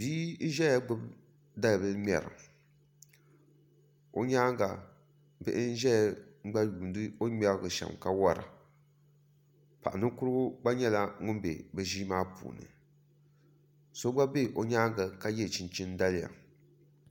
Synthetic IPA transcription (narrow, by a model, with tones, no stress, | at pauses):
biː˦n̩˦ʒɛ˦a˦ɡ͡bʊ˦b | da˦lbɨ˦mɛ̰˨ɾɨ̰˨ | o˦ɲaː˦ŋ˦ɡa˨ | bɨ˦ʔɪ˦n̩˦ʒɛ˦a˨˦ŋ͡m̩˦ɡ͡ba˦juː˨n˦dɨ˦o˦mʲɛ˨lɡɨ˨ʃɛ̰˨mka˦wa˦ɾɨ̰˨ | pa˨ʔnɨ˦kʊ˦ɾɨ˦ɡʊ˦ɡ͡ba˦ɲɛ˦la˦ŋʊ˦nbḛ˨bɨ˨ʒiː˦maː˦pṵː˨nɨ̰˨ | so˦ɡ͡ba˦be˦˨ʔo˨ɲaː˦ŋ˦ɡa˨ka˦jɛ˦˨t͡ʃɪ˨nt͡ʃɪ˦n˦da˦lɪ˦˨ja̰˨